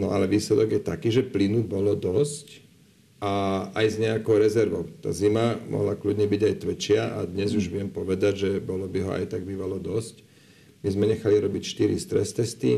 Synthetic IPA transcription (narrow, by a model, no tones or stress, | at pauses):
nɔalɛʋiːslɛd̪ɔɡjɛt̪akiːʒɛplinubɔlɔd̪ɔsc | aajzɲɛakɔʊɾɛzɛɾʋɔʊt̪a̰ːzimamʔɔ̰ɦlakludɲɛbiɟajt̪ʋɛt͡ʃɪaʔa̰d̪ɲɛzuʒʋɪɛmpɔʋɛd̪aɟʒɛbɔlɔbiɦɔa̰jt̪aɡ̚biʋalɔd̪ɔsc | mizmɛɲɛxaliɾɔbicʃt̪iɾist̪ɾɛst̪ɛst̪ḭ